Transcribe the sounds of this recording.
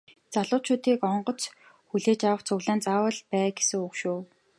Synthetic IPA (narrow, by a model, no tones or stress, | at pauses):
t͡saɮʊːt͡ɕʰʊːt̪iːkɔɴɢɞ̆t͡s | xuɮeːt͡ɕawə̆χt͡sɵɣɮaːnt͡saːwə̆ɮpæːɡesɘ̆ŋukʃuː